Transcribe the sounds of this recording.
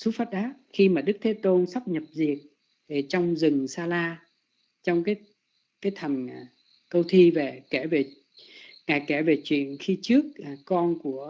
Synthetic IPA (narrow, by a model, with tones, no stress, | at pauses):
su˨˦faː˦˥t̚ɗaː˦˥t̚xi˧maː˨˩ɗɨ˦˥k̚t̪ʰe˨˦t̪o˧nsa˦˥p̚ɲə˨˩p̚zi˨˩ət̚ | ɗe˨˩t͡ɕɔ˧wŋ͡mzɨ˨˩ŋsaː˧laː˧ | t͡ɕɔ˧wŋ͡mkaː˨˦j | kaː˨˦jt̪ʰə˨˩n˨˩ | kə˧wt̪ʰi˧ve˨˩kɛ˧˩ve˨˩ | ŋaː˨˩jkɛ˧˩ve˨˩t͡ɕwḭ˧˨ənxi˧t͡ɕɨ˦˥ək̚kɔ˧nku˧˩ə